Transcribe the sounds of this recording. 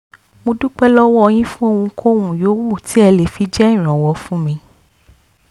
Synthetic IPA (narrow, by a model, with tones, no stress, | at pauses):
mo˧du˦k͡pɛ˦lɔ˦wɔ˦ɔ˧j̃ĩ˦fũ˦o˦˧wũ˧˦kʰo˦˨wũ˨joː˨˦wu˦˨ti˨˦ɛ˧le˨fi˨˧d͡ʒɛ˦ĩ˨ɾ̃ɔ̃˨wɔ˨˧˦fũ˦mĩ˧